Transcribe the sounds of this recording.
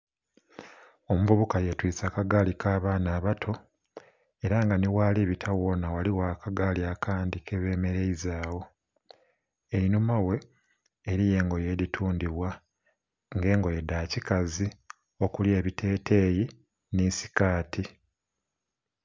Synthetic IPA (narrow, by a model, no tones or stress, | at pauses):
o̞muvuβukaje̞twiːt͡saːkaɡaːlikaːβaːnaːβatʰo̞ | e̞ɾaŋɡaniwaːliβitʰawo̞nawaliwaːkaɡaːliakʰaːndikeβe̞ːme̞ɾe̞izaːwo̞ | e̞ɾinumawe̞ː | ɾije̞ːŋɡo̞je̞ɾitʰuːndiβwa | ŋɡe̞ːŋɡo̞je̞daːcikazi | o̞kulje̞ːβite̞ːtʰe̞ːji | nisi̥kaːtʰi